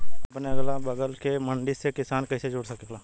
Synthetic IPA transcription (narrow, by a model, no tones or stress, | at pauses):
ɐpneɐɡlabɐɡəlkemə̃ɳɖisekɪsaːnkɐised͡ʒʊːɽsɐkklaː